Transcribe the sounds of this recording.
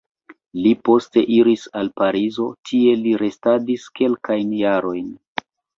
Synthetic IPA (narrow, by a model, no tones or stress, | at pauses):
lipo̞ste̞ʔiɾisalpaɾizo̞tʰie̞liɾe̞stadiske̞lkajnjaɾo̞jn